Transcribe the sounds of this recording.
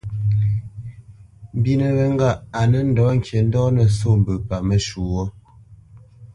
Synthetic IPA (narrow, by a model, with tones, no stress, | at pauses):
m˨bi˦nə˨ɣə˨ŋ˦ɡa˦˨a˨nə˦n̩˦dɔː˨˦ŋ̩˨kje˨n̩˦dɔː˦nə˨so˦˨m̩˨bə˨pa˨mə˨ʃu˨wɔ˦